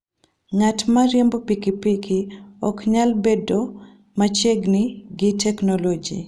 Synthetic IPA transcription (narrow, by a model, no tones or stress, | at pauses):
ɲatmaɾjembopikipikiɔ̰kɲalbedo | mat͡ʃeɡniɡɪtɛknɔlod͡ʒḭ